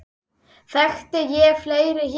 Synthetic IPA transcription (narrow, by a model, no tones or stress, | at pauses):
θɛxt̪ɪjɛfleːjɾɪɦ